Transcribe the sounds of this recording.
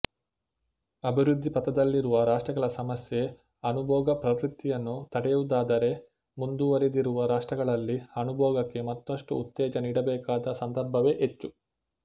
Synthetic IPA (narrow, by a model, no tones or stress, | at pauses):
ɐbʱiɾud̪ʱːipɐt̪ɐd̪ɐlːiɾuʋɐɾaːʂʈɾɐɡɐɭɐsɐmɐsje | ɐnubʱɔːɡɐpɾɐʋɾit̪ːijɐnːut̪ɐɽɛjud̪aːd̪ɐɾe̞ | mund̪uʋɐɾed̪iɾuʋɐɾaːʂʈɾɐɡɐɭɐlːiɐnubʱɔːɡɐkːe̞mɐt̪ːɐʂʈuːt̪ːɛːd͡ʒɐniːɽɐbɛːkaːd̪ɐsɐnd̪ɐɾbʱɐʋe̞ːʔet͡ʃːu